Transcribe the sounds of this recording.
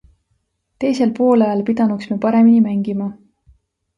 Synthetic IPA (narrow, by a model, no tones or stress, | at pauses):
t̪e̞jse̞lpo̞ːlɑjɑlpid̪̥ɑnuksmipɑɾe̞minimæŋɡ̥imɑ